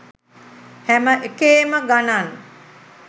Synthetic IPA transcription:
hæməʔekeːməɡanan

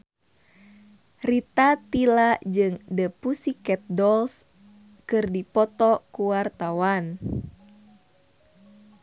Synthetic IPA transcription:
rit̪at̪ilad͡ʒɨŋdəpusikɛp̪̚dɔls | kɨrdipɔt̪ɔkuwart̪awan

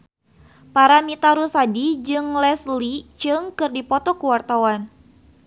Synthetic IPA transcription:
paɾamit̪aɾusadid͡ʒɨŋlɛslit͡ʃɨŋkɨrdipɔt̪ɔkuwart̪awan

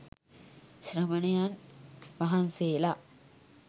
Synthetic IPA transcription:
ɕɾɐmɐɳjanmɐɦanseːla

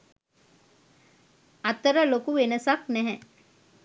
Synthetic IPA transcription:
at̪əɾəlokuʋenəsaknɛɦɛ

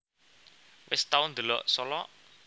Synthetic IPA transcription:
wɪst̪aʊnd̪ə̤lɔʔsɔlɔʔ

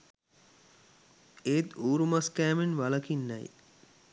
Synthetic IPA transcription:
eːt̪uːɾumaskæːmenʋalɐkinːa̰j

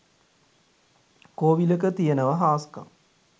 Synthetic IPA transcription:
koːʋiləkət̪ijənəʋɐɦaːskɐ̰m

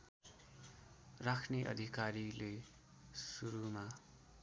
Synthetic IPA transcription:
rakʰneʔʌ̰d̪ʱikaɾile | suɾuma

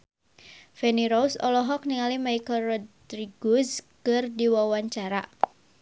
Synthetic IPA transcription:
fɛniɾɔsɔlɔɦɔk̚niŋalimaikəlrɔdɾiɡuskɨrdiwawaɲt͡ʃaɾa

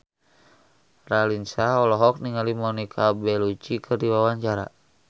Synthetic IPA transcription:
ralinsaɔlɔɦɔk̚niŋalimɔnikʰabɛlut͡ʃikʰɨrdiwawaɲt͡ʃaɾa̰

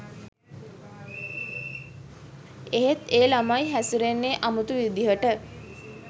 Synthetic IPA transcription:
eɦet̪eːlamajɦæsuɾenːeʔamut̪uʋid̪iɦəʈə

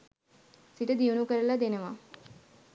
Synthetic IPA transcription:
siʈəd̪iunukəɾəlad̪enəʋa

